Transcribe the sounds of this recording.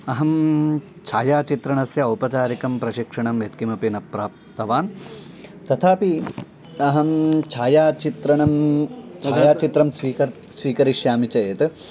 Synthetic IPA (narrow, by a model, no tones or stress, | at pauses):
ɐɦɐm | t͡ʃʰaːjaːt͡ʃit̪ɾɐɳɐsjɐupɐt͡ʃaːɾikɐmpɾɐʃikʂɐɳɐmet̪kimɐpinɐpɾaːp̚t̪ɐʋaːn | t̪ɐt̪ʰaːpi | ɐɦɐmt͡ʃʰaːjaːt͡ʃit̪ɾɐɳɐmt͡ʃaːjaːt͡ʃit̪ɾɐmsʋiːkɐɾ | sʋiːkɐɾiʃjaːmit͡ʃɐjet̪